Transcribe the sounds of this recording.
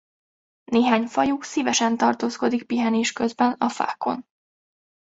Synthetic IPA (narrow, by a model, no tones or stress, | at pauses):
neːɦaːɲfɒjuksivɛʃɛnt̪ɒrt̪oːsko̞d̪ik̚piɦɛneːʃkø̞zbɛnɒfa̰ːkːo̞̰n